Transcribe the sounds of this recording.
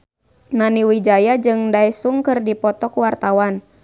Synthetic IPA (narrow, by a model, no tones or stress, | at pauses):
naniwid͡ʒajad͡ʒɨŋdaɛsuŋkɨrdipɔt̪ɔkuwart̪awan